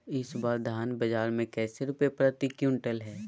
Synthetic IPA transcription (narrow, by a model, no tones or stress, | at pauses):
ɪsbaːɾd̪ʱaːnbɐd͡ʒaːɾmẽkɛːseɾʊpepɾət̪ikjũːɳʈəlɦɛː